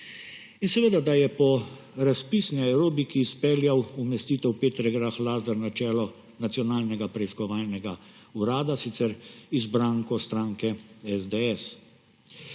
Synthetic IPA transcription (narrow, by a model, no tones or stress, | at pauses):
insɛʋeːd̪ad̪ajɛpɔ | ɾaspisnɛɛwɾoːbikiːspɛːljawumɛst̪iːt̪ɛwpeːt̪ɾɛɡɾaxlaːzəɾnat͡ʃɛːlɔ | nat̪sijɔnaːlnɛɡapɾɛiskɔʋaːlnɛɡa | uɾaːd̪asit̪sɛɾizbɾaːŋkɔst̪ɾaːŋkɛɛzd̪eɛs